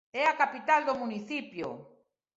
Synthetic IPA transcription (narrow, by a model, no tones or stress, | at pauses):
ɛakapit̪ald̪omuniθipjo̰